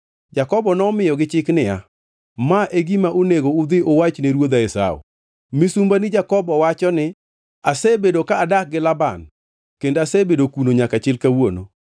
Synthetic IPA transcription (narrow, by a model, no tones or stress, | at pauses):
d͡ʒakɔbɔnɔmɪjɔɡɪt͡ʃɪknɪja̰ | maʔeɡimaʔoneɡoʊd̪ɪʔowat͡ʃneɾwod̪aɛsa̰o̰ | mɪsumbanɪd͡ʒakɔbɔwat͡ʃɔnɪ | asebedokaːdak̚ɡɪlaban | kendasebedokunoɲakat͡ʃɪlkawono